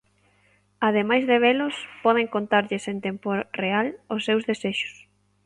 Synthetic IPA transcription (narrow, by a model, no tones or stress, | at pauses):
aðemajzðeβ̞elʊspɔðeŋkont̪aɾʎɪsent̪emporealʊsːewzðeseʃʊ̥s